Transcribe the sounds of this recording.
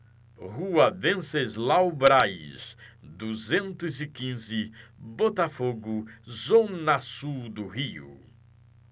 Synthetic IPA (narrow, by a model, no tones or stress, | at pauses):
ʁuɐvẽsezlawbɾajsd̪uzẽnt̪ʊzɪkĩzɪbot̪afoɡʊzõnasuwd̪ʊɦiʊ̰